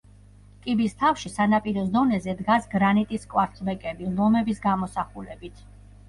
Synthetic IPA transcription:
kʼibist̪ʰafʃisanapʼiɾɔsd̪ɔnɛzɛd̪ɡasɡɾanit̪ʼiskʼwaɾt̪sʰbɛkʼɛbilˠɔmɛbisɡamɔsaχulɛbit̪ʰ

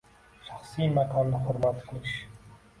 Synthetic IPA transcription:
ʃaχsimakʰɒnːɪχʊɾmat̪qʰɨlˠɪʃ

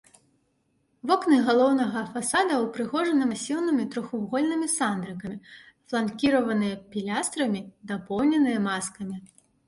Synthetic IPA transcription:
vɔknɨɣalˠɔwnɐɣɐfasad̪ɐwpɾɨɣɔʐɐnɐmɐsʲiwnɨmʲit̪ɾɔxubɣɔlʲnɨmʲisand̪ɾɨkɐmʲi | flˠankʲiɾɐvɐnɨjɐpʲilʲast̪ɾɐmʲid̪apɔwnʲɛnɨjɐmaskɐmʲi

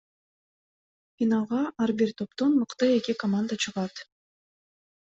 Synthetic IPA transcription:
fʲinɑlˠʁɑʔaɾbiɾt̪ʰo̞pt̪onmɯqt̪ɯe̞kʲikomand̪ət͡ʃʰɯʁɑt̪

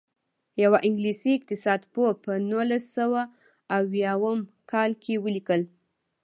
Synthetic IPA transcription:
jawaʔɪŋɡlisiɪq̚t̪ɪsɑd̪popənulasawaː | wjɑwəmkʰɑlkʰewəlikəl

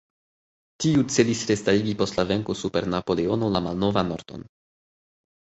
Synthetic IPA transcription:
tiut͡se̞lisɾe̞staɾiɡipo̞stlave̞ŋkosupe̞ɾnapo̞leo̞no̞lamalno̞vano̞ɾto̞̰n

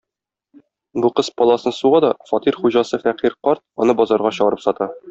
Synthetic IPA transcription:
buqɤspɒlˠɑsɤnsuʁɑd̪ɒfɒt̪iɾχuʑɑsɤfæqiɾqɒɾt̪̚ɒnɤbɒzɑɾʁɑɕɤ̆ʁɤ̆ɾɤpsɒt̪ɑ

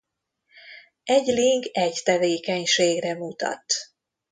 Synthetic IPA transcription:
ɛɟliŋɡɛct̪ɛveːkɛɲʃeːɡrɛmut̪ɒ̰t̪

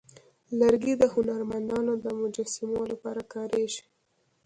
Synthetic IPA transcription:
laɾɡid̪əhʊnaɾmand̪ɑnod̪əmʊd͡ʒɑsɪmolapɑɾakɑɾeʒi̥

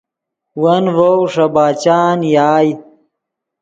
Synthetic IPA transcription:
wɐnvowʂɐbaːt͡ɕaːnjaːj

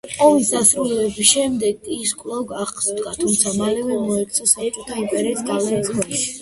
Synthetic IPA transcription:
qʼɔvisd̪asɾulɛbisʃɛmd̪ɛɡiskʼlˠɔɡaχsd̪ɡat̪ʰumt̪sʰamalɛvɛmɔɛk̪sʰɔsakʼt̪ʰaupʼɛɾɛt̪sɡalɛkʰwɛni

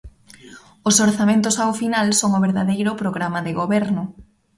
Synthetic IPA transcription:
ʊsoɾθamẽnt̪ʊsawfinalsoŋʊβeɾðaðejɾʊpɾoɣɾamaðeɣoβɛɾnʊ

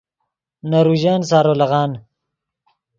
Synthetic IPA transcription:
naɾuʑaːnsaːɾolaɣaːn

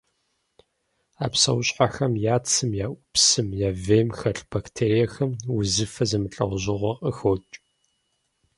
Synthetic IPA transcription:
a̰ːpsɐwɕʼħaxɐmjaːt͡sʰɨmjaːʔʷʊpsɨmjaːveːmxɐɬb̥aktʰeːɾijɐxɐmwʊzɨfɐzɨmɨɬʼɐʁʷʑɪʁʷɐqʼəxoːt͡ʃʼ

